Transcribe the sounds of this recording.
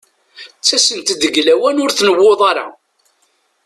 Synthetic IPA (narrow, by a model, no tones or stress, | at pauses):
t͡sːæsənt̪d̪əɡlæwænʊɾθnəwːoðˤɑɾˤɑ̰